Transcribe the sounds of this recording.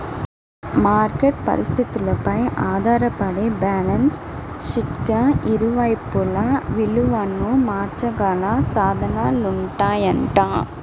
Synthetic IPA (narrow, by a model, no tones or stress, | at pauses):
maːɾkeʈ̚pɐ̰ɾɪst̪ɪt̪ːɪlɐpɐjʔaːðaːɾɐpːɐɽebaːlɐns | ʂɪʈkɐ̃ʔɪɾɯʋaːjpːʊlãːʋɪlɯʋaːnːumaːɾt͡ʃɐkaːlãːsaːðɐnaːlʊɳʈãːɛnʈãː